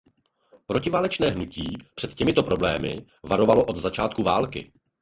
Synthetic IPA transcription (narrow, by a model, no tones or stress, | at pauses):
pɾo̞cɪvaːlɛt͡ʃnɛːɦnuciːpr̥ɛt̪cɛmɪt̪o̞pɾo̞blɛ̰ːmɪ̰ | vaɾo̞valo̞ʔod̪zat͡ʃaːt̪̚kuvaːlkɪ̰